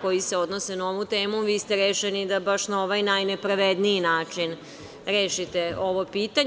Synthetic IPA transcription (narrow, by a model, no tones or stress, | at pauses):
ko̞jise̞o̞d̪nosenao̞ʋut̪e̞ːmuʋiːst̪eɾeːʃenid̪abaʃnao̞ʋajnajne̞pɾaʋed̪niinaːt͡ʃin | ɾe̞ːʃit̪e̞o̞ʋopiːt̪aɲ